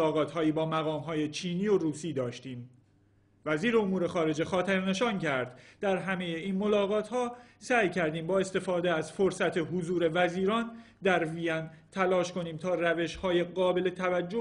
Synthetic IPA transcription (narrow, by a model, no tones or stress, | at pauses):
ɒːɣɒːt̪ʰhɒːjiːbɒːmæɣɒːmɦɒːje̞t͡ʃʰiːniːoɾuːsiːd̪ɒːʃt̪iːm | væziːɾe̞omuːɾe̞xɒːɾe̞d͡ʒe̞xɒːt̪ʰeɾne̞ʃɒːncʰæɾd̪d̪æɾɦæme̞jeiːnmo̞lɒːɣɒːt̪ʰhɒːsæːjcʰæɾd̪iːmbɒːest̪e̞fɒːd̪e̞æzfoɾsæt̪ʰe̞ɦozuːɾe̞væziːɾɒːn | d̪æɾvijæn | t̪ʰælɒːʃko̞niːmt̪ʰɒːræve̞ʃhɒːje̞ɣɒːbe̞le̞t̪ʰævæd͡ʒːo